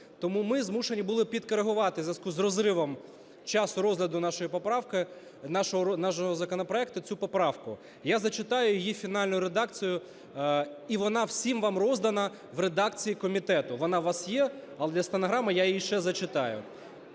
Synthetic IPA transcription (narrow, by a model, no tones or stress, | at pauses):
t̪ɔmumɪzmuʃe̞nʲibʊlˠɪpʲid̪kɔɾeɦʊʋɑt̪ɪzʲʋʲɐskuzrɔzɾɪʋɔm | t͡ʃɑsʊɾɔzʲlʲɐd̪ʊnɑʃɔjipɔpɾɑwkɪ | nɑʃɔɦɔnɑʃɔɦɔzɐkɔnɔpɾɔɛkt̪ʊt͡sʲupɔpɾɑwkʊ | jazɐt͡ʃɪt̪ɑjʊjijifʲinɑlʲnʊjʊɾed̪ɑkt͡sʲijʊ | iʋɔnɑw̥sʲimʋɑmrɔzd̪ɐnɐ | ʋɾed̪ɑk̚t͡sʲijikɔmʲit̪ɛt̪ʊʋɔnɑʋɑsjɛɐlˠɛd̪lʲɐst̪ɐnɐɦɾɑmɪjajiiʃɛzɐt͡ʃɪt̪ɑjʊ̰